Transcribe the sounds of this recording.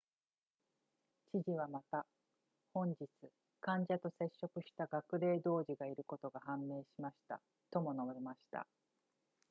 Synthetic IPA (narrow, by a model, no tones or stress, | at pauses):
t͡ɕiʑiβ̞amat̪a | hõ̞ɲd͡ʑit͡sɨ | kãɲ̟d͡ʑat̪o̞se̞ɕːo̞kɯ̟ɕi̥t̪aɡakɯ̟ɾe̞ːd̪o̞ːʑiɡaiɾɯ̟ko̞t̪o̞ɡahãmːe̞ːɕimaɕi̥t̪a̰ | t̪o̞mo̞no̞bemaɕi̥t̪a̰